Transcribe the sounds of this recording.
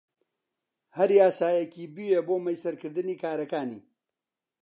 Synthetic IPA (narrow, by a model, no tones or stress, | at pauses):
hɐɾjaːsaːjekiːbiweboːmɐjsɐɾkɨɾd̪ɨniːkaːɾɐkaːniː